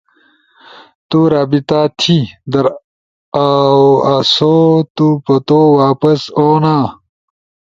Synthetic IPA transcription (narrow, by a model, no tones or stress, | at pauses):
t̪uɾaːbit̪aːt̪ʰid̪ɐɾ | awasot̪upɐt̪owaːpɐsoːnaː